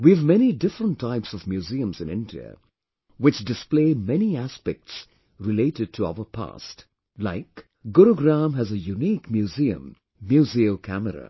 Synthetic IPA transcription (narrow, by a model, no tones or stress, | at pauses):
wivmɛñidɪfɾə̃ntʰːaɪpsɔvmjuziə̃mzɨ̃nɪ̰̃ndiə̰ | wɨt͡ʃdɨspleɪmɛniæspɛk̚ts | ɾɨleɪɾɨd̚tʰəa̰ʊəpʰa̰st | laɪk | ɡʊɾoɡɾæ̃mɦɨzəjunikmjuziə̰̃mː | juziəlkʰæməɾə̰